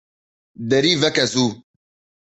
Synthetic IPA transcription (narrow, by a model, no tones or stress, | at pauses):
d̪ɛɾivɛkɛsu